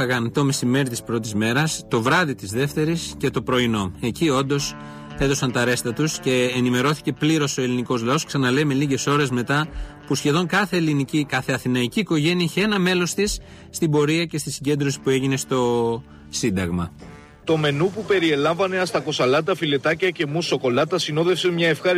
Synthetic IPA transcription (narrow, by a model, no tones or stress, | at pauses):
ɐɣɐnt̪o̞me̞sime̞ɾit̪i̥spɾo̞t̪̬izme̞ɾɐst̪o̞vɾɐðit̪izðe̞ft̪e̞ɾisce̞t̪o̞pɾo̞ino̞e̞cio̞nd̪o̞s | e̞ðo̞sɐnt̪ɐɾe̞st̪ɐt̪usce̞ːnime̞ɾo̞θi̥ce̞pliɾo̞so̞e̞liniko̞zlɐo̞sksɐnɐle̞jme̞liʝe̞so̞ɾe̞zme̞t̪ɐpusçe̞ðo̞ŋkɐθe̞ːlinicikɐθe̞ɐθinɐiciːko̞ʝe̞niɐiçe̞nɐme̞lo̞st̪isː | t̪ibo̞ɾiɐce̞st̪isiɲɟe̞nd̪ɾosi̥pue̞ʝine̞st̪o̞ | sind̪ɐɣmɐ | t̪o̞me̞nupupe̞ɾie̞lɐɱvɐne̞ɐst̪ɐko̞sɐlɐt̪ɐfile̞t̪ɐcɐce̞muso̞ko̞lɐt̪ɐsino̞ðefsemɲɐefxɐ